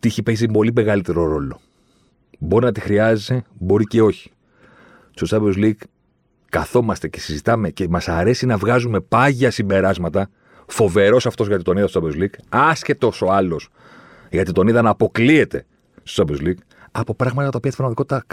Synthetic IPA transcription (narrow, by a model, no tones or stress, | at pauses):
t̪iiçipezipo̞lime̞ɣɐlit̪e̞ɾo̞ɾo̞lo̞ | bo̞ɾinɐt̪ixɾiɐzese̞bo̞ɾice̞o̞çi̥ | st̪ot͡sɐbezliɡ | kɐθo̞mɐst̪e̞ce̞sizit̪ɐme̞cemɐsɐɾe̞sinɐvɣɐzume̞pɐʝɐsimbe̞ɾɐzmɐt̪ɐ | fo̞ve̞ɾo̞sɐft̪o̞zʝɐt̪it̪o̞niðɐstot͡sɐbzliɡɐsçe̞t̪o̞so̞ɐlo̞s | ʝɐt̪it̪o̞niðɐnɐːpo̞klie̞t̪e̞̰ | st̪o̥sɐbzliɡ | ɐpo̞pɾɐɣmɐt̪ɐjɐt̪ɐopiɐst̪ipɾmɐðikot̪it̪ɐk